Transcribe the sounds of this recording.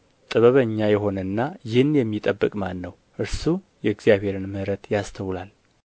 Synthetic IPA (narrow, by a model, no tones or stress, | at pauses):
t̪ʼɨβəβəɲːajɛɦo̞nənːajɪhɨnjɛmːit̪ʼəbːɨkʼmanːəw | ʔɨɾsu | jɛɨɡzjaβhe̞ɾɨnmɨhɾət̪jast̪ʰəwlal